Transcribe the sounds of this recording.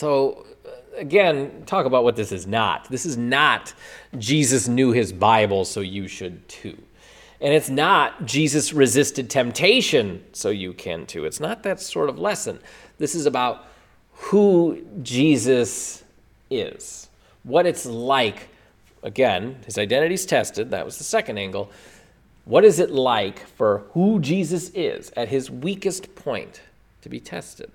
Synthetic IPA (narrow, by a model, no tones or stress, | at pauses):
soʊ | ɨɡɛ̃ntʰɔkəbaʊt̚wʌt̪̚ðɪsɨznə̰t̪̚ðɪsɨznət̚d̥ʒ̥izɨsnjʉɪzbaɪbl̩ˠsoʊjɨʃɨd̚tʰʉ̰ | ɨ̃nɨtsnət̚d̥ʒ̥izɨsɹɨzɪstɨd̚tʰɛ̃mp̚tʰeɪʃɨ̃nsoʊjɨkʰɨ̰̃ntʰʉ̰ɨtsnət̪̚ðɨtsɔɹɾʌvlɛsɨ̃n | ðɪsɨzəbaʊt̚ | hud͡ʒizɨs | ɪ̰z̥ | wʌɾɨtslaɪk | ʔəɡɛ̃nɨzaɪdɛ̃ɾ̃ɨɾiz̥tʰɛstɨd̪̚ðɨ̰ʔ̚wʌzðəsɛkɨ̃n̩dæ̃ŋɡl̩ˠ | wʌɾɨzɨtˡlaɪkfə˞hud͡ʒizɨsɪ̰z̥ɨt̚ɦɪzwikɨstpʰɔ̃ɪ̃ntʰ | ɨbitʰɛ̰stɨ̰d̥̚